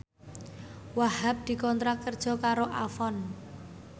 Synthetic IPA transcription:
wahap̚d̪̥i̤kɔnt̪ɾakːərd̥ʒ̥ɔ̤kaɾoʔafɔn

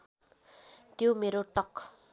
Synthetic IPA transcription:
t̪jomeɾoʈʌk

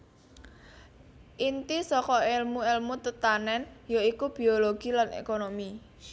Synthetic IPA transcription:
ʔint̪isɔkɔelmuelmut̪ət̪anɛnjaikub̥i̤oloɡ̥i̤lanʔḛkonomi

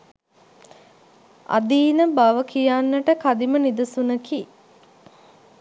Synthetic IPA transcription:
a̰d̪iːnəbaʋəkijanːəʈəkad̪imənid̪ɐsunəki

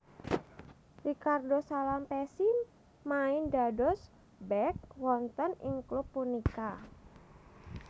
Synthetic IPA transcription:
rikardosalampɛsin | maɪndadɔs | bɛk̚wɔnt̪ənɪ̰ŋklupːunika

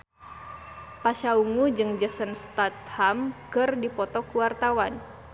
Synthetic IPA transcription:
paʃauŋud͡ʒɨŋd͡ʒəsənst̪at̪̚hamkɨrdipɔt̪ɔkuwart̪awan

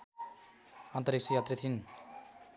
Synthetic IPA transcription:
ʌnt̪ʌɾik̚sʰʌjat̪ret̪ʰin

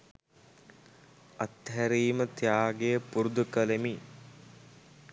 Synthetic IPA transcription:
ɐt̪ɦæɾiːmət̪jaːɡejəpuɾud̪ukəlemi

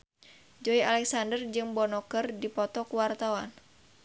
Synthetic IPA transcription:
d͡ʒɔialɛksandərd͡ʒɨŋbɔnɔkərdipɔt̪ɔkuwart̪awan

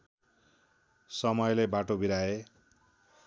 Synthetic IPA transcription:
sʌmʌjlebaʈobiɾae

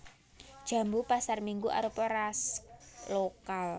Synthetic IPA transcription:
d̥ʒ̥a̤mbupasarmiŋɡuʔa̰ɾupɔɾaslokal

